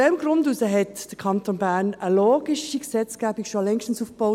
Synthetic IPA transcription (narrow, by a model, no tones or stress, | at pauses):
ɛmɡɾʊndusəɦɛtd̥əkʰɑntonbæɾnəloːɡ̥iʃiksɛt͡sɡ̥æːb̥ikʃolɛŋʃtən̩suːfb̥oʊ